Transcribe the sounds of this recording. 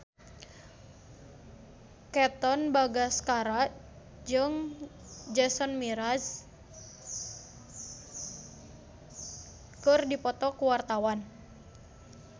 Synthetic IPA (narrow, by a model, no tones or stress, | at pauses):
kɛt̪ɔnbaɡaskaɾa | d͡ʒɨŋ | d͡ʒɛsɔnmiɾaz | kɨrdipɔt̪ɔkuwart̪awan